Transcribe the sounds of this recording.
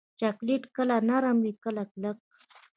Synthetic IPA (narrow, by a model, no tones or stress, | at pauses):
t͡ʃakliʈkəlanaɾamwikəlaklək̚